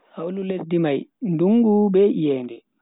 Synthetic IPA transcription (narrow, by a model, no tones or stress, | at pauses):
hawlulesdimajnduŋɡubɛʔijɛːndɛ